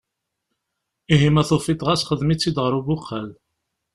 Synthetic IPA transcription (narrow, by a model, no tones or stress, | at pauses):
iɦimæθofit̪ˤʁasχəðmit͡sːid̪ʁəɾubʊqːəl